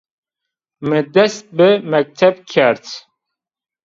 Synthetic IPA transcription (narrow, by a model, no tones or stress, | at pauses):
mɨd̪ɛst̪̚bɨmɛk̚t̪ʰɛbkʲʰɛɾt̪